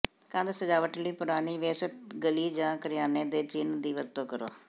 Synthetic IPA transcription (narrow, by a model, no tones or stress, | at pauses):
kãːnd̪səd͡ʒaːʋəʈliːpʊɾaːniːʋeːsət̪ɡəliːd͡ʒãːkəɾɪjaːneːd̪eːt͡ʃɪnd̪iːʋəɾt̪õːkəɾo̰ː